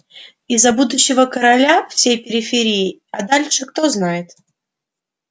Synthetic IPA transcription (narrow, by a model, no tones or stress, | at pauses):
ɪzːɐbud̪ʊɕːɪvəkəɾalʲafsʲejpʲɪɾʲɪfʲɪɾʲijɪɐd̪alʲʂɨkt̪o̞znajɪt̪